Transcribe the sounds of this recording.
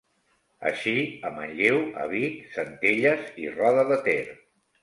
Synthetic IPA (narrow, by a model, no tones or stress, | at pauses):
ə̰ʃiəməʎʎewə̰βisənt̪eʎəzḭrɔðəðət̪eɾ